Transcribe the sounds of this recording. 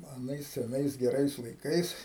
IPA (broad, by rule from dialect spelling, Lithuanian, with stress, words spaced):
ɐˈnɐɪs sʲɛˈnɐɪs ɡʲɛˈrɐɪs lˠɐɪˈkɐɪs